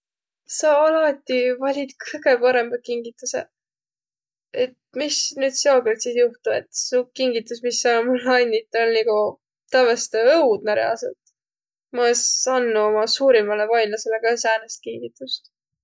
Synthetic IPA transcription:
sɑɑlɑt̪ʲːˑivɑlʲid̪kɯjɡ̥e̞pɑɾe̞mb̥ɑkiŋɡit̪ːusḛ | et̪̚misnyːd̪̥seoɡelt̪sisjuht̪uḛt̪sukiŋɡit̪ːˑusmisːɑomulɑnʲːit̪ːˑolniɡu | t̪ɑvɑst̪eɤwd̪̥næɾjɑ̰sḛlt̪ | mɑesɑnːuomɑsuːɾimɑlevɑjnɑseleɡ̥ɑsæːnest̪̚kiŋɡit̪ːˑust̪

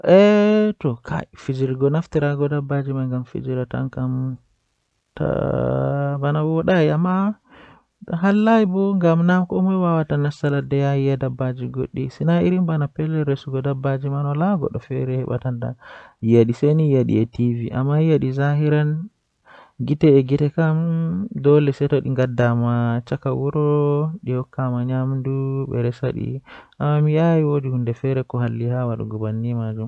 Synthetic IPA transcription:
ʔɛtɔkʰa̰fid͡ʒiɾɡɔnaftiɾaɡɔdabːad͡ʒimaŋɡamfḭd͡ʒiɾata̰nkam | ta̰ | banawɔɗajiamːa | ɦalːajibɔŋɡamnamkɔmɔwawatanasaladɛjaiadabad͡ʒiɡoɗːisinaiɾimbanapɛlːɛɾesuɡɔdabːad͡ʒimanɔlaɡɔ̰ɗɔfɛ̰ɾɛhɛɓa̰tanda̰jaɗisenijaɗḭɛtiviʔa̰mːajaɗizaɦiɾan | ɡitɛːɡitɛkamdɔlɛsɛtɔɗiŋɡadamat͡ʃakawuɾɔɗihɔkːamaɲamduɓɛ̰ɾɛsaɗḭʔamːamiajiwodihundɛfɛɾɛkɔɦalːihawaɗɔ̰ɡɔbanːimad͡ʒum

